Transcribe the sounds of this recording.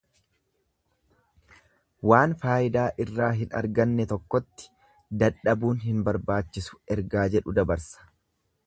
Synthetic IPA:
waːnfaːʔɪd̪aːʔɪrːaːɦɪnɐ̰ɾɡɐnːɛt̪ɔkːɔt̪ːɪ̥ | d̪ɐᶑɐbuːnɦɪnbɐɾbaːt͡ʃːɪsʊ̥ɛɾɡaːd͡ʒɛᶑʊd̪ɐbɐɾsɐ̥

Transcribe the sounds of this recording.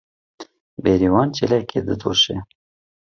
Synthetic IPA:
beːɾiwɑːnt͡ʃelɛkʰḛːd̪ɨd̪oʃe

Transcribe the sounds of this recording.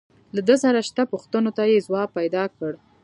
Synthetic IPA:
lad̪əsaɾaʃt̪apuxt̪ənot̪ajezwɑpajd̪ɑkəɽ

